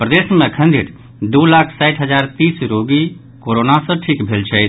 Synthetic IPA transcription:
pɾəd̪esmẽkʰə̃nd̪ʱiɾ | d̪ulakʰsajʈʰɦəd͡ʒaɾt̪isɾoɡi | koɾonasə̃ʈʰikbʱelt͡ʃʰə

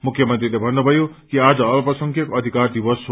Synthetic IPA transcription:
mukʰjʌmʌnt̪rilebʱʌnːubʱʌjokiad͡zʌʌlpʌsʌŋkʰjʌkoʌd̪ʱikard̪ibʌs

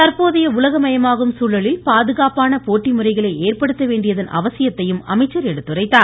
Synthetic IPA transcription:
t̪ɐɾpoːðɐjɐʊlɐɣɐmɐjɐmaːɣɯmsuːlɐɭɪlpaːðɯɣaːpaːnɐpoːʈːimɯrɐɪɣɐɭɐɪeːrpɐɽɯt̪ːɐʋeːɳɖɪjɐðɐnʔɐ̰ʋɐsɪjɐt̪ːɐjɯmɐ̰mɐɪt͡ʃːɐɾɛɽɯt̪ːɯrɐɪt̪ːaː

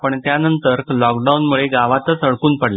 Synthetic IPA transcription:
pəɳt̪janənt̪əɾlɔkɖaunmuɭeɡaʋat̪ət͡səɭkuːnpəɽla

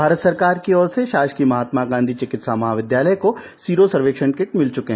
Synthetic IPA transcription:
bʱaːɾət̪sɐɾkaːɾkiɔːɾseʃaːʃkimɐɦaːt̪maɡãːnd̪ʱit͡ʃɪkɪt̪saːmɐɦaːʋɪd̪jaːləjko | siːɾosɐɾʋeːkʂə̃ɳkɪʈmɪlt͡ʃʊkeɦ

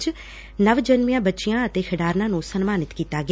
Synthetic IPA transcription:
t͡ʃ | nəʋd͡ʒənmɪjãːbətːʃɪjãːət̪eːkʰəɖaːɾnãːnũːsənmaːnɪt̪kiːt̪aːɡɪ

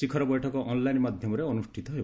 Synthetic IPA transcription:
sikʰɔɾɔbɔjʈʰɔkɔʔɔnlajnmad̪ʱjɔmɔɾeɔnusʈʰit̪ɔɦeb

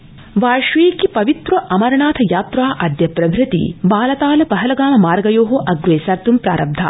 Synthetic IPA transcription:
ʋaːʃʋiːkipɐʋit̪ɾɐʔɐmɐɾɐɳaːt̪ʰɐjaːt̪ɾaːʔɐd̪jɐpɾɐʋɾɨt̪ḭbaːlɐt̪aːlɐpɐɦɐlɐɡaːmɐmaːɾɡɐjoːɦoʔɐɡɾeːsɐɾt̪umpɾa̰ːɾɐb̚d̪ʱa̰ː

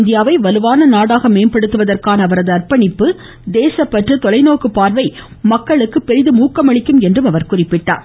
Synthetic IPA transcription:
nd̪ɪjaːʋɐɪʋɐlɯʋaːnɐnaːɽaːɣɐmeːnpɐɽɯt̪ːɯʋɐðɐrkaːnɐːʋɐɾɐðɯɐrpɐɳɪpːɯ | d̪eːsɐpːɐʈrɯt̪ɔlɐɪnoːkɯpaːɾʋɐɪ | mɐkːɐɭɯkːɯpɛɾɪðɯmuːkːɐmɐɭɪkːɯmɛndrɯmɐʋɐɾkʊrɪpːɪʈːa̰ːɾ

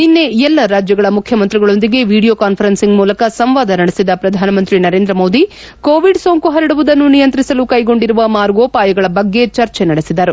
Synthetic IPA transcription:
ninːe̞ɛlːɐɾaːd͡ʒjɐɡɐɭɐmukʰjɐmɐnt̪ɾiɡɐɭo̞nd̪iɡe̞ʋiːɽijoːkaːnpʰɐɾɐnsiŋɡmuːlɐkɐsɐmʋaːd̪ɐnɐɽisid̪ɐpɾɐd̪ʱaːnɐmɐnt̪ɾinɐɾe̞ːnd̪ɾɐmo̞ːd̪i | koːʋiɖsoːŋkuɦɐɾiɽuʋud̪ɐnːunijɐnt̪ɾisɐlukɐjɡo̞ɳɖiɾuʋɐmaːɾɡoːpaːjɐɡɐɭɐbɐɡːe̞t͡ʃɐɾt͡ʃenɐɽisid̪ɐɾu

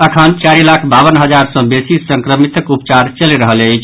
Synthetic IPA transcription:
əkʰənt͡ʃaɾilakʰbabənɦəd͡ʒaɾsə̃besisəŋkɾəmit̪əkupt͡ʃaɾt͡ʃəliɾəɦələt͡ʃʰ

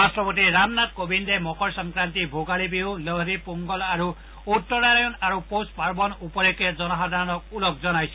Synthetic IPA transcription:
ast̪ɾɔpɔt̪iɾamnat̪kobind̪emɔkɔɾsɔŋkɾant̪ibʱoɡaɭibiuləɦɾipuŋɡɔlaɾu | ut̪ːɔɾaɾjɔnaɾupospaɾbɔnupɔɾeked͡ʒɔnɔɦad̪ʱaɾɔnɔk̚ulɔk̚d͡zɔnajt͡ʃʰi

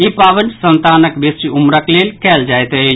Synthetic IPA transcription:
ipabənsənt̪anəkbesiumɾəklelkɛld͡ʒajt̪ə

